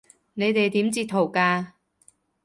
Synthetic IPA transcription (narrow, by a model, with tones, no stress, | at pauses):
ne˨˧jt̪e˨jt̪iː˨˥mt͡siː˧t̪ʰːo˨˩wkaː˧